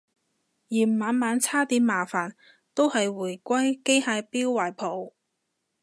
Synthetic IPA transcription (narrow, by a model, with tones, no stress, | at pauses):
jiː˨˩m˨maː˨˧˥nmaː˨˧nt͡sʰaː˥t̪iː˨˥nmaː˨˩faː˨˩n | t̪o˥whɐ˨jwuː˨˩jkʷɐ˥jke˥jhaː˧piː˥wːaː˨˩jpʰo˨˩w